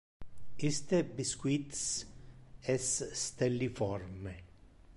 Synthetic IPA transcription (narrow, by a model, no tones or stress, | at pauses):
ist̪ebiskwit̪s | ɛsːt̪elːifɔrme